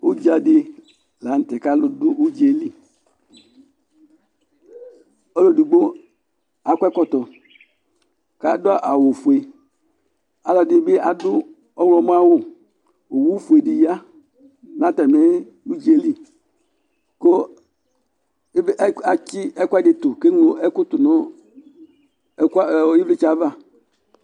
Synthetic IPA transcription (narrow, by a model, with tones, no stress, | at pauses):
u˦d͡ʒi˨˦a˨dɪ˦ | la˨˦n̩˦tɛ˨ka˦lo˨dʊ˦ʔu˦d͡ʒe˨li˦˨ | o˦lo˦˨du˨ɡ͡bo˦ | a˨˦kʷɛ˦kɔ˦tɔ˨ | ka˦dʊ˦a˦˨ʔa˨wo˨fu˨e˨ | a˨la˨dɪ˦bɪ˦a˨dʊ˦ | ɔ˦wlɔ˨m˦a˦wʊ˦˨ | o˨wu˦fu˨e˨di˨ja˦ | na˦ta˨me˦ | nu˦d͡ʒi˦e˦li˦ | ko˦ | a˨t͡ʃɪ˦ɛ˦kʷa˦˨d͡ʒe˨tʊ˨ke˦ŋo˨ɛ˦kʊ˦tʊ˨nʊ˦ | ki˦vli˦t͡ʃa˨˦va˦˨